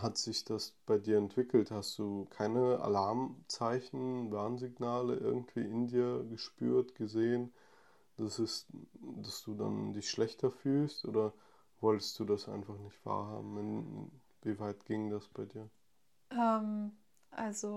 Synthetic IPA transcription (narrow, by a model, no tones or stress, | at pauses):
hatz̥ɪçd̥asb̥aɪdiːɐɛntv̥ɪkl̩thastd̥uːkʰaɪnəa̰laɐmt͡saɪçn̩vaɐnzɪɡnaːləʔɪ̰ɐɡŋ̩tv̥ḭːɪndiːɐɡəʃpy̰ːɐtɡ̥əzeːən | d̥asɪstd̥asd̥uːda̰ndɪçʃlɛçtʰɐfyːlstʔo̰ːɾɐ | vɔltə̥st̚d̥uːdasʔa̰ɪnfaχnɪçtv̥a̰ːɐɦa̰ːbm̩ɪnɪ̰ | viːvaɪtɡ̥ɪŋdasb̥aɪdiːɐ | ʔɛːm | ʔalzo